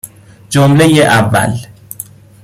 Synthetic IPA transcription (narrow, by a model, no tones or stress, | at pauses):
d͡ʒomlejeʔævːæ̰l